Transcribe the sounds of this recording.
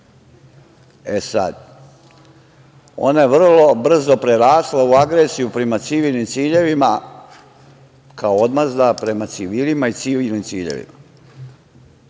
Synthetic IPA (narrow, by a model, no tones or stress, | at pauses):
esa̰d̪ | o̞̰najeʋr̩lˠo̞br̩zo̞pɾeɾaːslˠauaɡɾesijupɾe̞mat̪siʋilˠnimt̪siːʎe̞ʋima | kaood̪mazd̪apɾe̞mat̪siʋiːlimait̪siʋilnimt̪siːʎḛʋḭma̰